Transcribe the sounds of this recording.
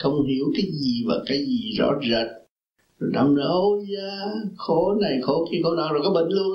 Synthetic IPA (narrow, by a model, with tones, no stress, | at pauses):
xə˧wŋ͡mhi˨˦əwkaː˨˦jzi˨˩vaː˨˩kaː˨˦jzi˨˩zɔ̰˧˥zə˨˩t̚ | zo˨˩ɗa̰ː˧mɗə˨˦wzə˨˦xo˨˦na˨˩jxo˨˦xi˧xo˨˦na˨˦zo˨˩kaː˨˦jɓḭ˧˨ŋ̟lu˧ən